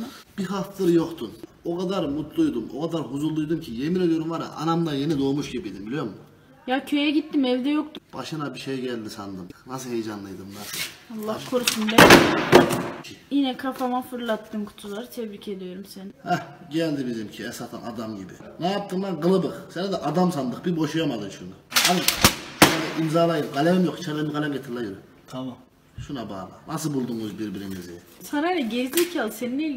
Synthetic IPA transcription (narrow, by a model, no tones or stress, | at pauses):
b̥iɦat̪ɯɾɯjokt̪ʰunokʰad̪aɾmut̪lˠujd̪umo̞̰kʰad̪aɾɦuzulˠːujd̪umcʰije̞miɾelˠijo̞ɾumvaɾa̰ʔa̰namd̪ajenid̪oːmuʃɟibijd̪imbilʲijoɾmʊ | jacʰø̞jɛɟit̪ːimɛvd̪ɛjo̞k̚t̪ub̥aʃɯnabiʃejɛɟælʲd̪isand̪ɯmnasɯlhejd͡ʒanlˠɯjd̪ɯmnasɯalˠːahkʰoɾsumbɛ | jinɛkʰafamafɯɾlˠat̪ːɯmkʰu̥t̪ʰulˠaɾt̪ʰɛbɾicʰe̞d̪ijo̞ɾumsɛnhɛ | ɟɛlʲd̪ibizimcʰiɛsat̪ʰa̰na̰d̪amɟibḭnajap̚t̪ʰɯmlˠaɡɯlˠɯbɯqsenid̪ɛʔad̪amsand̪ɯqbibo̞ʃujamad̪ɯnʃunaanɯ | niimzaːlˠajɯmɡalʲɛmjokt͡ʃʰaɾlemiɡalʲɛmɟet̪ʰɯɾlˠajɯm | t̪ʰamam | ʃunaba̰ːlˠɯ̰nasɯlbulˠd̪umuzbiɾbiɾimizi | sanalʲɛɟɛzlʲicʰalˠseninelʲ